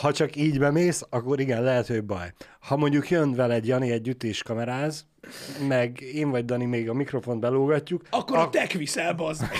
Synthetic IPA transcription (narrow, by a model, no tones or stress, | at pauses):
hɒt͡ʃɒkiːɟbɛmeːsɒkːo̞ɾiɡɛnlɛɦɛt̪øːbːɒ̰jhɒmo̞ɲɟukjø̞nvɛlɛɟjɒniɛɟːyt̪eːʃkɒmɛɾaːz | mɛɡeːɱvɒɟ̚d̪ɒnimeːɡɒmikro̞fo̞nbɛloːɡɒcːukɒkːoɾt̪ɛkʋisɛbɒz